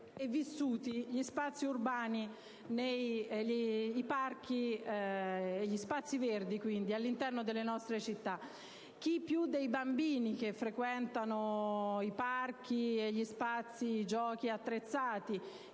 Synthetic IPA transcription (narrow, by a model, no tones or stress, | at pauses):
evːisːuːt̪iʎispat̪sːiurbaːni | nejiːpark̟i | eʎːispat̪sːiverd̪ikwind̪ialːint̪ɛrnod̪elːenɔst̪ɾet͡ʃit̪ːa | k̟ipːjud̪ːejbambiːnikefːɾekwɛnt̪anoipark̟ieʎːispat̪sːid͡ʒɔːkiat̪ːɾet̪sːaːt̪i